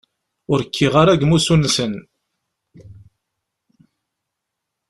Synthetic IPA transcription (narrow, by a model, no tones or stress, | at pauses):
ʊɾəkʰːiʁaɾæɡmusunsən